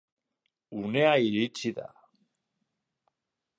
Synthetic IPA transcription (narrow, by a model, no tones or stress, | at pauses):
une̞aiɾit͡ʃiða̰